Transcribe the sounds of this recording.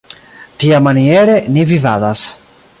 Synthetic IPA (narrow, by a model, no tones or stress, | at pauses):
tiamanieɾe̞nivivadas